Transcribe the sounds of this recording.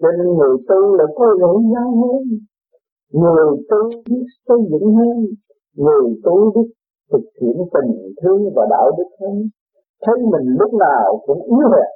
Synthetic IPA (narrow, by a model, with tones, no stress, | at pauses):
t͡ɕɔ˧ne˧nŋɨ˨˩əjt̪u˧la̰ː˧˥jkɔ˨˦zə˧˦zaː˧wɦə˧n | ŋɨ˨˩əjt̪u˧ɓi˦˥ək̚sə˧jzɨ̰˧˨ŋhəː˧n | ŋɨ˨˩əjt̪u˧ɗi˦˥k̚ | t̪ʰɨ˨˩k̚hḭ˧˨ənt̪i˨˩ŋt̪ʰɨ˧əŋvaː˨˩ɗa̰ː˧˨˩wɗɨ˦˥k̚hə˧n | t̪ʰə˨˦jmï˨˩ŋ̟lʊ˦˥k͡p̚naː˨˩wkʊ̰˧˥ŋ͡mʔi˨˦əhe˨˩